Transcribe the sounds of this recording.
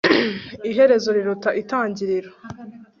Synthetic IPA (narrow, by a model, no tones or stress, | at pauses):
iɦe̞ɾe̞zo̞ɾiɾutaʔitaːɲɟiɾiɾo